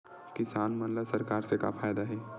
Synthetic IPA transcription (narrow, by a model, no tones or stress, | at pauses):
kɪsaːnmɐnlasɐɾkaːɾseka̰pʰaːjd̪aɦɛː